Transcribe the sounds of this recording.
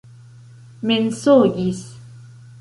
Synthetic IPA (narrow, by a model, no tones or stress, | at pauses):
mensoɡis